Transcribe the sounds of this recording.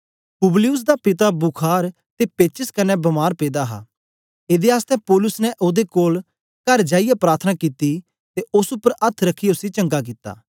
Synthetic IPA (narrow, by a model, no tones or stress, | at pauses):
kʊblɪjʊs̬d̪apɪt̪abʊkʰaːɾ | t̪epeːt͡ʃəskɐnɛbɐmaːɾpeːd̪aɦa̰ː | eːd̪eaːst̪ɛpoːlʊsnɛʔoːd̪ekoːl | kɐɾd͡ʒaːɪjapɾaːɾt̪ʰənakiːt̪ːi | t̪eʊsʊpːəɾɐt̪ʰɾɐkʰiʊsit͡ʃɐ̃ŋɡakɪt̪ːa̰ː